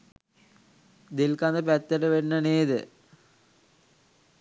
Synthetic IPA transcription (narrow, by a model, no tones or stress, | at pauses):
d̪elkand̪əpæt̪ːeʈəʋenːəneːd̪ə